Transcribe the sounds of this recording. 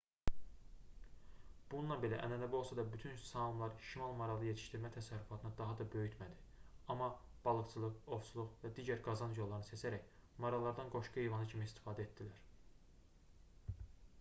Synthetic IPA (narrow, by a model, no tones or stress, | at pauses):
b̥ununːˠɑnbe̞læʔæ̰nænæbio̞lˠsɑd̪ɑbyt̪ʰynsɑlˠumlˠɑɾʃimɑlˠmɑɾɑlˠɯje̞t̪ʰi̥ʃt̪iɾmæt̪ʰæsæɾːyfɑt̪ʰɯnɯd̪ɑɦɑd̪ɑbø̞jyt̪ʰmæd̪iɑmːɑb̥ɑlˠɯvt͡ʃʰɯlˠɯo̞vsulˠuʁvæd̪iːɟæɾɡɑzɑnjolˠːɑɾnɯsesæɾæçmɑɾɑlˠɑɾd̪ɑnɡo̞ʃɡuejvɑnɯcʰimist̪i̥fɑːd̪æet̪̚d̪ilæɾ